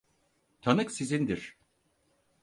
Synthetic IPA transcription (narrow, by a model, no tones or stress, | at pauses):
t̪ʰanɯksizind̪iɾ̥